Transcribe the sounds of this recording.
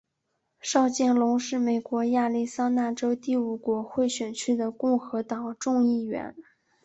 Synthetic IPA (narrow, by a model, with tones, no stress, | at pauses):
ʂɑ˥˧ʊt͡ɕjɛ˥˩nlʊ˧˥ŋʂɻ̩˥˩me˨˩ɪkwɔ˧˥ja˥˧li˥˩sa˥na˥˩ʈ͡ʂo˥ʊt̪i˥˩u˨˩kwɔ˧˥xwe˥˩ɪɕɥɛ˨˩nt͡ɕʰy˥d̪ə˨kʊ˥˩ŋxɤ˧˥t̪ɑ˨˩˦ŋʈ͡ʂʊ˥˧ŋi˥˩ɥɛ̰˧˥n